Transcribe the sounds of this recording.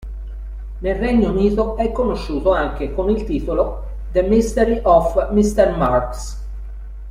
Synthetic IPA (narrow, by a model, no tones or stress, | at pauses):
nelreɲːouniːt̪oɛkːonoʃːuːt̪oaŋk̟ekonilt̪iːt̪olo | d̪əmist̪eɾiʔɔfmist̪ermarks